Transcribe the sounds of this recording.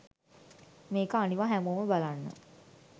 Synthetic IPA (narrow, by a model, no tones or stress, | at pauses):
meːkəaniʋaɦæmoːməbalanːə̰